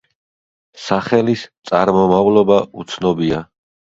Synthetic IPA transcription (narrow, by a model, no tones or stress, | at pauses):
saχɛlist̪sʼaɾmɔmavlɔbaut̪sʰnɔbia